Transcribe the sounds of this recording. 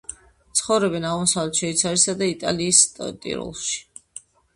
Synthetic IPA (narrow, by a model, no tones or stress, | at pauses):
t̪sʰχɔvɾɛbɛnaʁmɔsavlɛt̪ʃɛit̪sʰaɾisad̪ait̪ʼa̰liːsʼt̪ʼḭɾṵlˠʃi̥